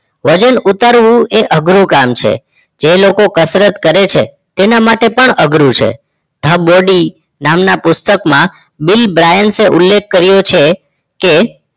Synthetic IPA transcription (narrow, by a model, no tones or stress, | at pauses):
ʋəd͡ʒənut̪aɾʋũeʔəɡɾũkamt͡ʃʰḛ | d͡ʒelokokəsɾət̪kəɾet͡ʃʰḛ | t̪enamaʈepəɳəɡɾũt͡ʃʰḛ | d̪ʱəboɖi | namnapʊst̪əkmã | bɪlbɾajənseʔʊlːek̚ʰːəɾjot͡ʃʰe | ke